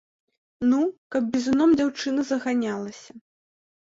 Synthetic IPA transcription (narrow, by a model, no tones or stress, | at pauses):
nukɐb̚bʲizunɔmd͡zʲawt͡ʂɨnɐzɐɣanʲalˠɐsʲɐ